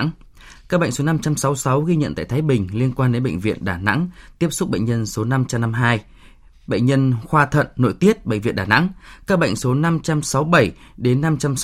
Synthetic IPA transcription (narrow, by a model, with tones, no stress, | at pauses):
ŋ | kaː˦˥k̚ɓə̰˧˨jŋso˨˦na˧mt͡ɕa˧msa˨˦wsa˨˦wɣi˧ɲə̰˧˨nt̪a̰ː˧˨jt̪ʰaː˨˦jɓï˨˩ŋ̟li˧ənkwaː˧nɗe˨˦ɓə̰˧˨ŋ̟vḭ˧˨ənɗaː˧˩na̰˧˥ŋt̪i˦˥əp̚sʊ˦˥k͡p̚ɓə̰˧˨jŋɲə˧nso˨˦na˧mt͡ɕa˧mna˧mɦaː˧j | ɓə̰˧˨ŋ̟ɲə˧nxwaː˧t̪ʰə̰˧˨nːo̰˧˨jt̪i˦˥ət̚ɓə̰˧˨ŋ̟vḭ˧˨nɗaː˨˩na̰˧˥ŋkaː˦˥k̚ɓə̰˧˨jŋ̟so˨˦na˧mt͡ɕa˧msa˨˦wɓə˧˩jɗe˨˦nːa˧mt͡ɕa˧m